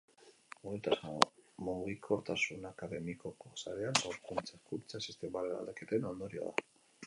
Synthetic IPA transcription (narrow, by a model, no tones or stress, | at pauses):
oelt̪asamuɣikʰo̞ɾt̪asunakaðemikokosaɾeaŋɡoɾkunt͡saskult͡sasist̪emaleɾa̰ld̪aket̪enond̪oɾio̰ða̰